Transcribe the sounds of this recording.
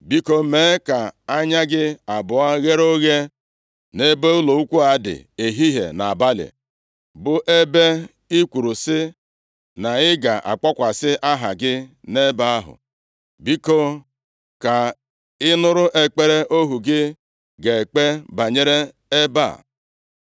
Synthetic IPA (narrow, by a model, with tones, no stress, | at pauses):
bi˦ko˦me˨˦ka˨a˦ɲa˦ɡɪ˦a˨bʊ˨a˦ɣe˦ɾo˦ɣe˦ | ne˦be˦u˦lo˨u˦kʷu˦a˨˦dɪ̰˨e˨ɦi˦ɦḛ˨na˨a˨ba˦lɪ̰˨ | bʊ˨ʔe˦be˦ | i˦kʷu˨ɾu˨sɪ˦ | na˨ɪ˦ɡa˨ʔa̰˨k͡pɔ˦kʷa˨sɪ˦ʔa˦ɦa˨ɡɪ˦ne˦ba˦a˦ɦʊ̰˨ | bi˦ko˦ | ka˨ | ɪ˦nʊ˦ɾʊ˦ʔe˦k͡pe˦ɾe˦ʔo˦ɦu˨ɡɪ˦ | ɡe˨k͡pe˦ba˨ɲe˦ɾe˦ | e˦ba̰˦˨